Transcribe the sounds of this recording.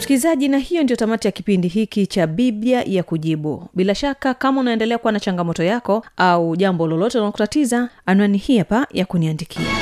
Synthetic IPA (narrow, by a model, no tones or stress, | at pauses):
sikilizaʄinahijɔndijɔtamatijakipindiɦikit͡ʃaɓiɓjajakuʄiɓuɓilaʃakakamaunaɛndɛlɛakuwanat͡ʃaŋɡamɔtɔjakɔauʄambɔlɔlɔtɛnaakutatizaanuwanihiapajakuniandikʰia̰